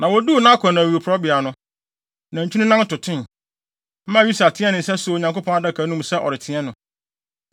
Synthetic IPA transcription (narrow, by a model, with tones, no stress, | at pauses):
nã˨wɔ˨du˦˨nã˦kʰɔ̃˨nã˨i˨u˨pʰɾɔ˦bɪ˨a˨nʊ̃˦ | nã˨ɲ̩˨t͡ɕʰᶣu˦nʊ̃˦nã˦n˦tʊ˨tʰɪ̃˦n | m̩˦mã˦˨u˦sa˨tʰɪ̃˦ɛ˦nɪ̃˨sɛ˦so˦˨ɲã˨ŋko˦pʰɔ̃˦na˦da˦kʰa˨˦nũ˦msɛ˦ʔɔ̰˨ɾɪ˨tʰɪ̃˦ɛ˦nʊ̃˨